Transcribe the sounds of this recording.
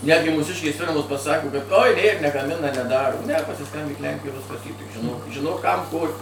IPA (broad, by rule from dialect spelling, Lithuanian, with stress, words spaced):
ˈnʲæːdʲɡʲɪ ˈmuːsʲɪʃʲkʲeːs ˈfʲɪrmoːs pɐˈsɑːkoː kɐt ˈoːj ˈnʲeːr nʲɛɡɐˈmʲɪnɐ nʲɛˈdɑːroː nʲɛ pɐsʲɪˈskɐmʲbʲiːk ˈlʲɛŋʲkʲɪjoːj ˈʋʲɪskɐs iː tʲɪk ʒʲɪˈnoːk ʒʲɪˈnoːk ˈkɐm ˈkoː